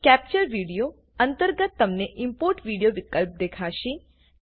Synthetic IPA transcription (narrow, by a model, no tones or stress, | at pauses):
kɛp̚t͡ʃəɾʋiɽijo | ənt̪əɾɡət̪ːəmneʔɪmpoɾʈʋiɽijoʋikəlp̚d̪ekʰaʃi